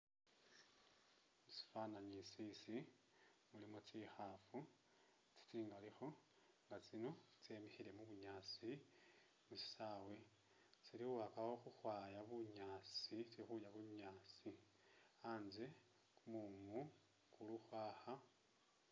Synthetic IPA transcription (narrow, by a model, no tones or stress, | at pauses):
si̥fanaɲisisi | mulimot͡sixafu | t͡si̥t͡siːŋɡalixo̞ | ŋɡat͡sino̞t͡se̞ːmixile̞muβuɲaːt͡si | musi̥sawe̞ | t͡siɾixuβakawoxuxwaːjaβuɲaːt͡sit͡siixujaβuɲaːt͡si | aːnze̞ | kumumu | kuluxwaːxa